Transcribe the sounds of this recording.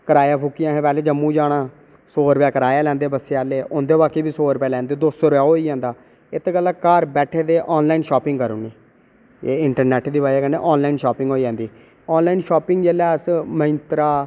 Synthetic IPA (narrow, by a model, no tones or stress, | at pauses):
kəɾaːjaːpʰuːkːijãːɦẽːpɛːleːd͡ʒəmːũːd͡ʒaːɽ̃aː | soːɾpjaːkəɾaːjaːlɛ̃ːnd̪eːbəseaːleːʔʊnd̪eːbaːkeːbiːsoːɾpaːlɛ̃ːnd̪eːd̪oːsoːɾpaːɦoːiːd͡ʒãːnd̪aː | ɪt̪ʰːkəlaːkaːɾbɛːʈʰeːd̪eːʔɔːnlaːinʃɔːpɪ̃ŋɡkəɾoːneː | eːɪɳʈəɾnɛːʈd̪iːbaːjaːkənḛːʔɔːnlaːinʃɔːpɪ̃ŋɡɦoːiːd͡ʒãːnd̪iː | ɔːnlaːiːnʃɔːpɪŋɡd͡ʒeːlɛːəsməɪ̃nt̪ɾaː